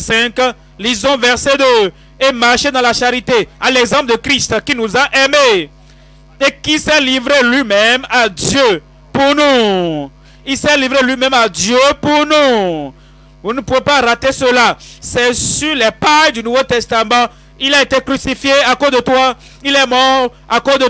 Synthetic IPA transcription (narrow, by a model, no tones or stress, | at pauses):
sɛ̃k | lizɔ̃vɛʁsɛd̪ø | emaʁʃed̪ɑ̃laʃaʁit̪ealɛɡzɑ̃pld̪əkʁist̪kinuzaʔɛme | ekisɛlivʁelɥimɛmad̪jø | puʁnu | ilsɛlivʁelɥimɛ̃mad̪jøpuʁnu | vunəpuvepaʁat̪esəlasɛsyʁlɛpajd̪ynuvot̪ɛst̪amɑ̃ | ilaet̪ekʁysifjeakozd̪ət̪wa | ilɛmɔʁ | akozd̪ə